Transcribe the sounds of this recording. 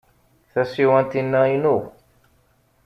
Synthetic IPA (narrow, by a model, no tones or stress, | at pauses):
θæsiwænt̪inːæinu